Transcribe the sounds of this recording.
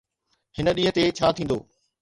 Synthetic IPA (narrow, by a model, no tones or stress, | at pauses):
ɦhɪnə̆ɗĩːɦə̃̆t̪et͡ɕʰaːt̪ʰĩːn̆d̪o̰ː